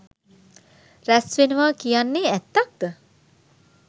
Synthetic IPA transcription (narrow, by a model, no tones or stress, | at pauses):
ræsʋenəʋaːkijanːeːæt̪ːak̚d̪̥ə